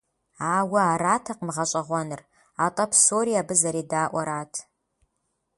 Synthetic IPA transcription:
aːwɐaːɾaːtʰɐqmɨʁɐɕʼɐʁʷɔnɨr | aːtʼɐpʰsoːɾiabɨzɐɾeːdaːʔʷɔɾaːtʰ

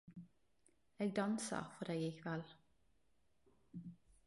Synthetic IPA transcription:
eːɡ̚d̪ɑnsɑ̰fɔd̪eːɡɪkʰʋɛl

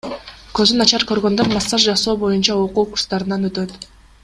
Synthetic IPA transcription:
kø̞zynɑt͡ʃɑɾkø̞ɾɡø̞nd̪øɾmɑsːɑʒd͡ʒɑso̞ːbo̞junt͡ʃɑoquːku̥ɾst̪ɑɾɯnɑnø̞t̪ø̞t̪

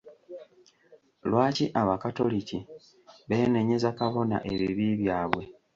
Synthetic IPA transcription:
lwaːciʔaβakato̞lici | βe̞ːne̞ɲe̞zakaβo̞na̰ʔe̞βiβiːβjaːβwe̞

